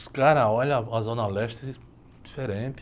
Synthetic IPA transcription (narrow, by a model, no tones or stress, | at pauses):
skaɾɐɔʎɐazõnɐlɛʃt̪ɾɪ | d̪ifeɾẽnt̪